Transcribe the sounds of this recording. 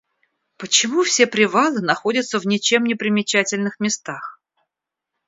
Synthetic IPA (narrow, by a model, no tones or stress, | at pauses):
pət͡ɕɪmufsʲe̞pɾʲɪvalˠɨnɐxo̞dʲət̪səvnʲɪt͡ɕe̞mnʲɪpɾʲɪmʲɪt͡ɕætʲɪlʲnɨxmʲɪst̪ax